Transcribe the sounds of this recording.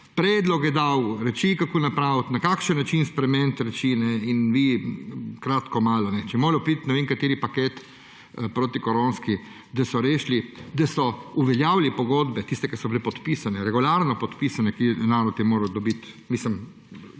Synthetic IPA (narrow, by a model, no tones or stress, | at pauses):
pɾɛːd̪lɔkjɛd̪awɾɛt͡ʃikakonapɾawt̪nakaːkʃənːat͡ʃinspɾɛmɛnt̪ɾɛt͡ʃinɛinʋi | kɾaːt̪kɔmaːlɔnɛt͡ʃɛmoːɾɛwpit̪nɛʋeːŋkat̪eːɾipaket̪ | pɾoːt̪ikɔɾoːnski | d̪asɔɾeːʃlid̪asɔuʋɛljawlipɔɡoːd̪bɛt̪ist̪ɛkasɔbilepɔt̪pisanɛɾɛɡulaɾnɔpɔt̪pisanɛkinaːɾɔt̪jɛmoːɾɐwd̪ɔbit̪miːsəm